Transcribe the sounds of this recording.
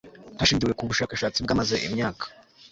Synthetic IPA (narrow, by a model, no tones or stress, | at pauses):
haʃiːɲd͡ʒiɾwekuβuʃaːkaʃaːt͡sib̚ɡamaze̞ʔḭmɲaːkʰḁ